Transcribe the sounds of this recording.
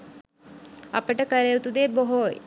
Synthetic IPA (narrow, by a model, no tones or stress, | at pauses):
a̰pəʈəkəɾejut̪ud̪eːboɦoj